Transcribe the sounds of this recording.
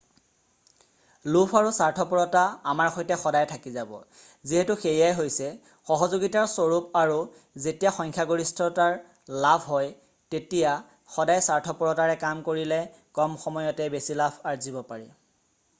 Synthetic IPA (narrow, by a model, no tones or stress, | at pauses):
lupʰaɹusaɹtʰɔpɔɹɔtaamaɹxojtɛxɔdajtʰakizabɔ̰ | ziɦɛtuxejijajɦojsɛ | xɔɦɔzoɡitaɹsoɹupaɹu | zetijaxɔŋkʰjaɡoɹistʰɔtaɹ | labʰʱɦɔj | tetija | xɔdajsaɹtʰɔpuɹɔtaɹɛkamkoɹilɛ | kɔmxɔmɔjɔtɛbesilabʰaɹzibɔpaɹi